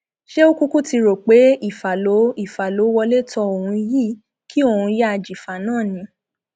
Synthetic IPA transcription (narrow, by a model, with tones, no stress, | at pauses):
ʃe˦o˦ku˦ku˦ti˧ɾo˨k͡pe˨˦i˦˨fa˨lo˨˦i˦˨fa˨lo˨˦wɔ˧le˦tɔ˧o˨hũ˧ji˦˨ | ki˦o˦˨hũ˧ja˦a˧d͡ʒi˨fa˨nãː˦˨nĩ˨˦